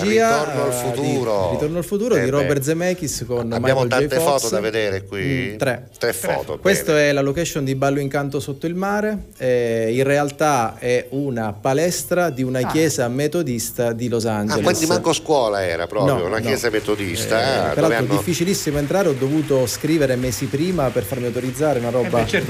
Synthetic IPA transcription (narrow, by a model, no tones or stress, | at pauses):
iːaonoalfut̪uɾoit̪ornoalfut̪uːɾod̪iɾɔbɛrt̪zmɛk̟iskonamajaolt̪ad͡ʒɛjt̪eɔfɔːt̪oaved̪eːɾekwit̪ɾɛt̪ɾɛfɔ̰ːt̪o̰kwest̪oɛlalokaɛʃːond̪ibalːoiŋkant̪osot̪ːoilmaːɾe | inrːealt̪aɛunapalɛst̪ɾad̪iunakjɛːzamet̪od̪ist̪ad̪ilozand͡ʒelkwind̪imaŋkoskwɔːlaɛ̰ːɾa̰pɾɔːnɔɾjo̰unaknjɛːzamet̪od̪ist̪apeɾalɾod̪ifːit͡ʃilisːimoent̪ɾaːɾeɔd̪ːovuːt̪oskɾiːveɾemɛːsipɾiːmaperfaɾmiawt̪oɾid̪zːaːɾeunaɾɔːba